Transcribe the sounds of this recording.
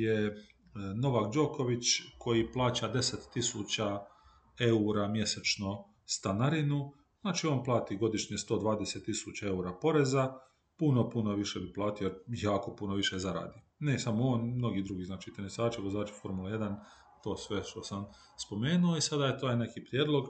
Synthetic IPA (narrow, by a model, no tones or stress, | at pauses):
je | no̞ʋakd͡ʒo̞ːko̞ʋit͡ɕkʰo̞jiplˠaːt͡ɕad̪e̞set̪ːisut͡ɕa | e̞uɾamje̞set͡ʃno | st̪anaɾinu | z̥naːt͡ʃioːnplˠaːt̪iɡo̞d̪iʃɲist̪o̞ːd̪ʋaːd̪ese̞t̪ːisut͡ɕae̞uɾapo̞ɾe̞za | puno̞punoʋiʃebiplˠaːt̪ijojaːko̞punoʋiʃezaɾa̰ːd̪i | nesamooːnmno̞ɡid̪ɾuɡiːznaːt͡ʃit̪enesaːt͡ʃiɡozaːt͡ʃi̥fo̞ɾmuleje̞d̪an | t̪o̞ːsʋe̞ʃt̪o̞sam | spo̞me̞ːnuoisad̪ajet̪oːene̞kipɾjeːd̪lˠo̞ɡ